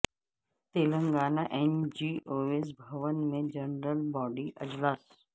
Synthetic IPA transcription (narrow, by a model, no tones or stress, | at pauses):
t̪eːlə̃ŋɡaːnaʔɛnd͡ʒiːoːeːs̬bʱɐʋənmẽd͡ʒenɾəlbɔːɖiʔɐd͡ʒlaːs